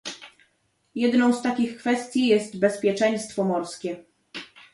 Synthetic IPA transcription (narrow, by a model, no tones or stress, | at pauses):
jɛd̪nɔ̃w̃st̪akʲixkfɛst̪ʲjijɛst̪bɛspʲjɛt͡ʂɛj̃st̪fɔmɔɾskʲɛ